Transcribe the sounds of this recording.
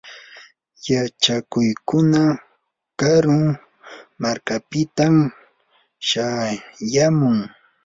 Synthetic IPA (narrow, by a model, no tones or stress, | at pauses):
jat͡ʃakʊjkʊna | kaɾʊŋ | maɾkapɪt̪am | ʃajamʊŋ